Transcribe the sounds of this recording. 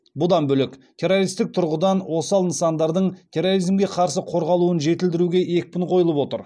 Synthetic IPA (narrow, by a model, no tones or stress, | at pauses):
bʊd̪ɑnbɵlɪkt̪ʲʰe̞ɾo̞ɾijst̪ɪk̚t̪ʰʊɾʁəd̪ɑnwo̞sɑlˠnəsɑnd̪ɑɾd̪əɴt̪ʲʰe̞ro̞ɾijzmɡʲe̞qʰɑɾsəqʰo̞ɾʁɑlˠuənʒe̞t̪ɪld̪ɪɾuɡʲe̞ʔe̞k̚ʲpʲɪɴqʰo̞jəlˠəpwo̞t̪əɾ